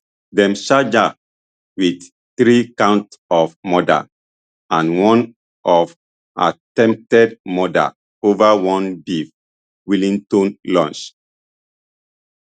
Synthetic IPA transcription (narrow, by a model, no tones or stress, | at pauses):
dɛ̃mʃad͡ʒa | wid | θɹikãʊ̃ntɔfmɔda̰ | ãnwɔ̃n | ʔɔv | a̰tɛ̃mp̚tɛdmɔda̰ | ovawɔ̃ndiv | wilĩŋtõnlɔ̰̃nt͡ʃ